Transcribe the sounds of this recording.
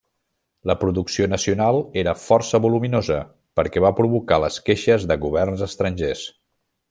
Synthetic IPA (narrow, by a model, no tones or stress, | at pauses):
ləpɾuðuksionəsiunalˠeɾəfɔrsəβuluminozə | pəɾkɛβapɾuβukaləskeʃəzðəɣuβɛrnzəst̪ɾənʲʒes